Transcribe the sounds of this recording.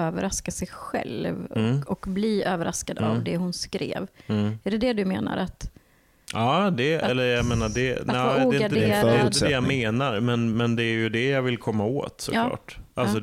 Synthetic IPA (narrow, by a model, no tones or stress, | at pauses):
øːvəɾaskasɛjɧɛ̰lvɔkbliːøːvəɾʔaskad̪avd̪ɛhʊnskɾḛːvæɖɛd̪ɛd̪ɵmeːna̰ɾat̪ | ɑːd̪ɛɛlːəɾjajmeːnaɖɛaduɡɛɪad̪ɛɪnəd̪ɛjameːnaɾmɛnmɛnd̪ɛːɾjɵd̪ɛjavɪlkʰɔmːao̰ːt̪sɔ̰lːɑ̰ːʈʔalsɔ